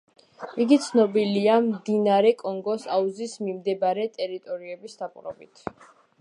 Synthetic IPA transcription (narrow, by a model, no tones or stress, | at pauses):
iɡit̪sʰnɔbiliamd̪inaɾɛkʼɔŋɡɔsauzismimd̪ɛbɾɛt̪ʼɛɾit̪ʼɔɾiɛbisd̪akʼɾɔ̰bit̪ʰ